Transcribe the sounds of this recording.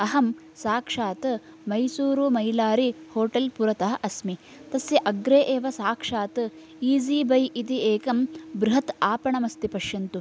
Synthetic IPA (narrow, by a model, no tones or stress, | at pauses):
ɐɦɐm | saːkʂaːt̪ɐ | mɐjsuːɾumɐjlaːɾihoːʈɐlpuɾɐt̪ɐɦɐʔɐsmi | t̪ɐsjɐʔɐɡɾeːʔeːʋɐsaːkʂaːt̪ɐ | iːd͡ʒiːbʱɐjʔit̪ieːkɐmbɾuɦɐt̪aːpɐɳɐmɐst̪ipɐʃjɐnt̪u